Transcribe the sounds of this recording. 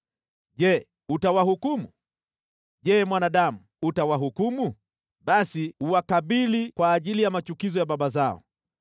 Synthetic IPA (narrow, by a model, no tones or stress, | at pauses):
ʄɛ | utawahukumu | ʄɛmwanaɗamu | utawaɦukumu | ɓasiuwakaɓilikwaːʄilijamat͡ʃukizɔjaɓaɓazaɔ̰